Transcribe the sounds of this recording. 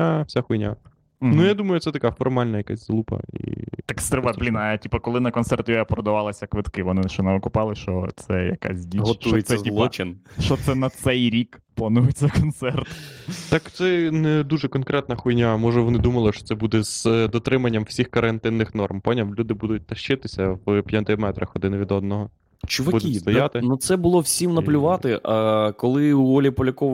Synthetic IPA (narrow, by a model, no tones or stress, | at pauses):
afsʲaxʊjnʲa̰ | nujad̪umɐjʊt̪sɛt̪ɐkafɔrmɑlʲnɐjɐka̰sʲzlˠupɐ̰ḭt̪ɪkst̪ɾɪʋablʲinɐtʲipɐkɔlˠɪnɐkɔnsɛrt̪jɔjɐpɾɔd̪ɐʋɑlˠɐsʲɐkʋɪt̪kɪʋɔnɪʃt͡ʃɔnɐʋɪkʊpɑlˠɪʃt͡ʃɔ̰t̪sɛjɐ̰ka̰sʲdʲiɦɔt̪ujesʲɛɐzʲilˠɔt͡ʃɪnʃɔt̪sɛnɐt̪sɛjɾʲikplˠɐnujet͡sʲːɐkɔnt̪sɛrt̪t̪ɑkt̪sɛnɛd̪uʒɛkɔnkɾɛt̪̚nɐxʊjnʲamɔʒɛʋɔnɪd̪umɐlˠɪʃt͡ʃɔ̥t̪sɛbud̪ɛz̥d̪ɔt̪ɾɪmɐnʲːɐmwsʲixkɐɾɐnt̪ɪnːɪxnɔrmpɔnʲɐmlʲud̪ɪbud̪ʊt̚ʲt̪ɐʃt͡ʃɪt̪ɪsʲɐʋpʲjɐnt̪ɪmɛt̪ɾɐxɔd̪ɪnʋʲid̪ɔd̪nɔɦɔ | t͡ʃʊʋɐbudʲk̪it̪ɔjɑt̪ɪnut̪sɛbʊlˠɔwsʲimnɐlʲʊʋɑt̪ɪʔɐɑkɔlˠɪuɔlʲipɔlʲɐkɔʋ